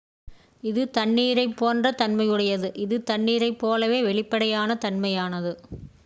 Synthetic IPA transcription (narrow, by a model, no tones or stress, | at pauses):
ɪðɯt̪ɐnːiːɾɐɪpːoːndrɐt̪ɐnmɐjɯɽɐjɐðɯʔɪðɯt̪ɐɳːiːɾɐɪpːoːlɐʋeːʋɛɭɪpːɐɽɐjaːnɐt̪ɐnmɐjaːnɐðɯ